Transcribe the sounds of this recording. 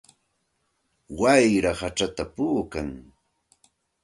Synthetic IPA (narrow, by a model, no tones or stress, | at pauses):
wajɾahat͡ʃat̪apuːkaŋ